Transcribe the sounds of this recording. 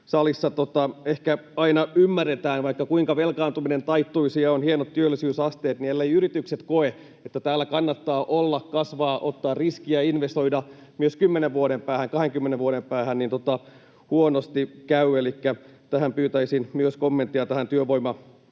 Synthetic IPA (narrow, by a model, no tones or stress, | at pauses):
sɑlisːɑt̪ot̪ɑehkæɑinɑymːærːet̪æːnʋɑikːɑkuiŋkɑʋelkɑːnt̪uminent̪ɑit̪ːuisiɑonhienot̪tyølːisyːsɑst̪eːt̪nielːejyɾit̪ykset̪koe | et̪ːæt̪æːlːækɑnːɑt̪ːɑːʔolːɑkkɑsʋɑːʔot̪ːɑːrriskiæinʋest̪o̞idɑ | myøskymːeneʋʋuoɾempæːhæŋkɑheŋkymːeneʋʋuoɾempæːhænnint̪ot̪ɑ | huonost̪ikæyelikːæt̪æhæmpyːt̪æisinmyøskomːent̪ːiɑt̪æhænt̪yøʋoimɑ